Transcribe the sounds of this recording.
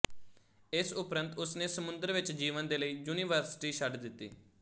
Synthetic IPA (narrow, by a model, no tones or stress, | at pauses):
ɪsʊpɾə̃nt̪ʊsneːsəmʊ̃nd̪əɾʋɪt͡ʃd͡ʒiːʋənd̪eːləiːjuːniːʋəɾsɪ̥ʈiːʃəɖd̪ɪt̪ːḭː